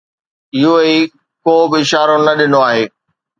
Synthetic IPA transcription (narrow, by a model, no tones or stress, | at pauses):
ɪɦoi | koːbɪɪʃaːɾonɐɗɪnoaːɦeː